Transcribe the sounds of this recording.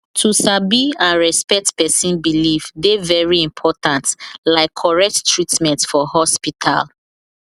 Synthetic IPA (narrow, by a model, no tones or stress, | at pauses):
tʰusabiãnɹɛspɛk̚tpɛsĩnbilifdevɛɹiĩmpʰɔtãntlaɪkʰːɔɹɛk̚ttɹitmɛ̃ntfɔhɔspitʰa̰l